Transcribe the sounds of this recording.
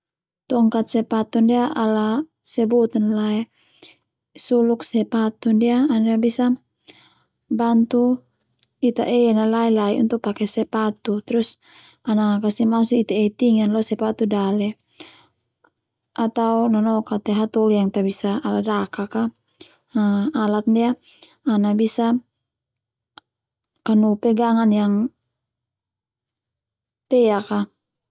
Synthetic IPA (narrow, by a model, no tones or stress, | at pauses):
t̪ɔŋkat̪̚sɛpat̪undiaʔala | sɛbut̪analaɛ | suluksɛpat̪undiaːniabisa | bant̪u | it̪aʔenalaɛlaiṵnt̪uk̚pakɛsɛpat̪ut̪ɛɾus | anaakasimasuit̪aet̪iŋanlɔsɛpat̪udalɛ | at̪aunanɔkat̪ɛɦat̪ɔlijaŋt̪abisaːladakaka | alat̪̚ndiaː | nabisa | kanupɛɡaŋanjaŋ | t̪ɛaka